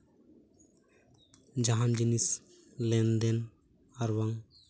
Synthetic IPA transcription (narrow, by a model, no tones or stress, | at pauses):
d͡ʒaɦand͡ʒinis | lɛnd̪ɛn | aɾwaŋ